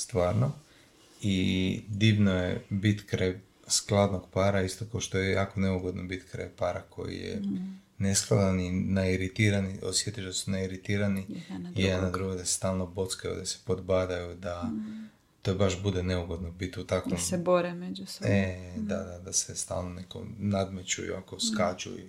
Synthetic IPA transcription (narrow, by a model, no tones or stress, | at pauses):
st̪ʋaːɾno̞ | id̪iːʋnojebit̪kɾaj | sklˠad̪noɡpaːɾaist̪okaoʃt̪o̞jejaːko̞neuɡo̞d̪nobit̪kɾa̰jpaːɾakʰo̞̰jḭjḛ | nesklˠad̪aninaiɾit̪iɾanio̰sje̞t̪iʒd̪asunaiɾit̪iːɾanid̪nad̪ɾuɡod̪asest̪aːlˠnobo̞t̪skajṵd̪ase̥po̞d̪bad̪ajud̪a | t̪obaʃbud̪eneuɡo̞d̪nobit̪ut̪akʋoseboɾemed͡ʒused̪a̰d̪ad̪asest̪a̰ːlnoneko̰nad̪met͡ʃṵjṵa̰koskat͡ʃṵḭ